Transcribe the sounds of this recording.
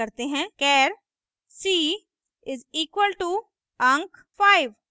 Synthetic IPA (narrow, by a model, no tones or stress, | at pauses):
ɐɾt̪eɦɛ̃kɛːɾ | siː | ɪziːkwəlʈu | ɐ̃ŋk | faːɪʋ